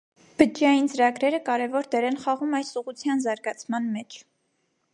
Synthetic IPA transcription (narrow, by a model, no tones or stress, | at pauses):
b̥əd͡ʒjɑjint͡səɾɑɡɾɛɾəkɑɾɛvɔɾd̪ɛɾɛnχɑʁumɑjsuʁut͡sʰjɑnzɑɾɡɑt͡sʰmɑnmɛt͡ʃʰ